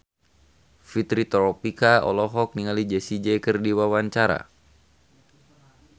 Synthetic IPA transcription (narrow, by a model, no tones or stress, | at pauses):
fit̪ɾit̪ɾɔpikaɔ̰lɔɦɔk̚niŋalid͡ʒɛsid͡ʒɛjkərdiwawaɲt͡ʃaɾa̰